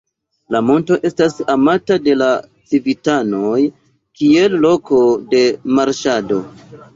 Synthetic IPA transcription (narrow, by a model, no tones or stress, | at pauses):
lamo̞nto̞ʔe̞stasamatade̞la | t͡sivitano̞j | kie̞lːo̞ko̞de̞maɾʃado̞